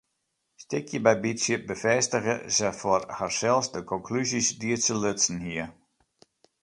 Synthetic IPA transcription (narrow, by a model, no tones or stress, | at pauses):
stɪkʰjəbɛjbisjəbəfɛstəɣəsəfɔrharsɛlˠsdəkʰɔŋkʰlysisdiəsəløtsn̩ɦiə